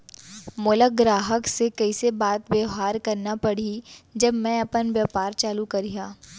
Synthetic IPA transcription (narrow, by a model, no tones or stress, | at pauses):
mʊləɡɾaːɦəksekɐisebaːt̪bjeɦaːɾkɐɾnapɐɽ̤id͡ʒɐbmɛ̃ɐpənʋjaːpaːɾt͡ʃaːlukɐɾijaː